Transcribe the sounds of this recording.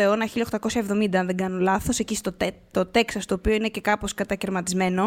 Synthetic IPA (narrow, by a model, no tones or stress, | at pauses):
oe̞o̞nɐçiʎɐoxt̪ɐko̞sçɐevðo̞mind̪ɐnðeŋɡɐnolɐθo̞secist̪oet̪o̞t̪e̞ksɐst̪o̞ːpioine̞ce̞kɐpo̞skɐt̪ɐce̞ɾmɐt̪izme̞no̞